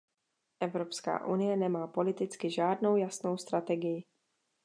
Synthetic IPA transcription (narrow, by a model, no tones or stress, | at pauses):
ʔɛvɾopska̰ːʔunɪjɛnɛmaːpo̞lɪt̪ɪt͡skɪʒaːdno̞wjasno̞wst̪ɾat̪ɛɡɪjɪ